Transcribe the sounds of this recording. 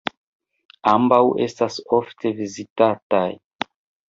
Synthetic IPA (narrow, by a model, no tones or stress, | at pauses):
ambawʔe̞stasoftʰe̞vizitataj